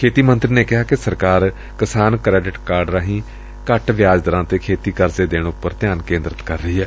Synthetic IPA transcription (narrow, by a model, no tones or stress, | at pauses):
kʰeːt̪iːmənt̪ɾiːneːkɪɦaːkɪsəɾkaːɾ | kɪsaːnkɾɛːɖɪʈkaːɾɖɾaːɦĩː | kəʈʋɪjaːd͡ʒd̪əɾãːt̪eːkʰeːt̪iːkəɾzeːd̪eːɽʊpːəɾt̪ɪjaːnkẽːnd̪ɾət̪kəɾːəiːɛː